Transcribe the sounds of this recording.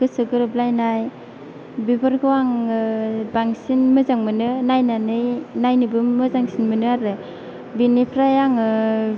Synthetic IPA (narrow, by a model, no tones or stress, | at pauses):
ɡɯsɯɡɯɾɯblajnaj | bibɯɾɡɯwaŋɯbaŋsinmɯzaŋmɯnɯnajnanɯjnajnɯbɯmːɯzaŋsinmɯnɯaɾɯ | binipʰɾajaŋɯ